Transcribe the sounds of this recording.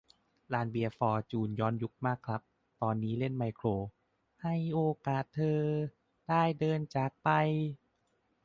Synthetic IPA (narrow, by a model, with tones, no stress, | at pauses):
laː˧nbi˧ɐfɔː˧t͡ɕuː˨˩njɔː˦˧˥nju˦˥k̚maː˥˩kʰɾa˦˥p̚ | t̪ɔː˧nːiː˦˥le˥˩nma˧jkʰɾoː˧ | ha˥˩jʔoː˧kaː˨˩t̪ʰːɤː˧ | d̥aː˥˩jdɤː˧nt͡ɕaː˨˩k̚pa˧j